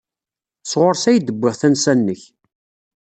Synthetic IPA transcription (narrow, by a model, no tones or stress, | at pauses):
sʁoɾˤsæjd̪əbʷːɪʁθænsænːəç